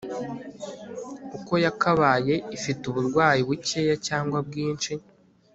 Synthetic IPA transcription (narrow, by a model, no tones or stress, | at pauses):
kuko̞jakaβaːje̞ifituβuɾɡwaːjiβuceːjacaːŋɡwab̚ɡiːnt͡ʃi